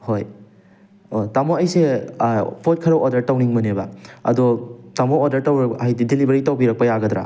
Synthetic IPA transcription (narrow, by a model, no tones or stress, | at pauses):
hoj | otamoɐjse | pʰot̚kʰɐɾɐʔoɾdɐɾtawniŋmɐnebɐɐdɔtamoodɐɾtawɾɐajdidilibɐɾitawbiɾɐk̚pɐjaɡɐdɾa̰